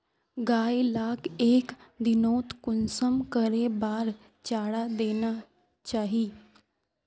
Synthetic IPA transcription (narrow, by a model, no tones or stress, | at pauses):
ɡajlakekd̪inot̪kunsəmkəɾebaɾ | t͡ɕaɽad̪ena | t͡ɕaɦi